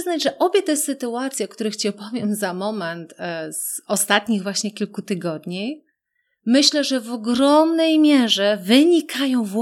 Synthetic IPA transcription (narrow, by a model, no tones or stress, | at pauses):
znad͡ʑʐɛʔɔbʲjɛt̪ɛsɘt̪uat̪sʲjɔkt̪uɾɘxt͡ɕɛpɔvʲjɛmzamɔmɛnt̪z̥ɔst̪at̪ɲiɣvwaɕɲɛkʲilkut̪ɘɡɔd̪ɲi | mɘɕlɛʐɛvɔɡɾɔmnɛjmʲjɛʐɛvɘɲikʰajɔ̃w̃v